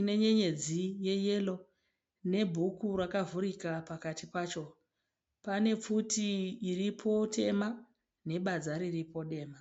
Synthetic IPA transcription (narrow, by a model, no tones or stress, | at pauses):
ine̞ɲe̞ɲe̞d͡zije̞je̞lo̞ | ne̞bʱukurwakavuɾikapakatipaːt͡ʃo̞ | pane̞p͡futʰiːripʰo̞tʰe̞ma | ne̞ɓad͡zaɾiripo̞ɗe̞ːma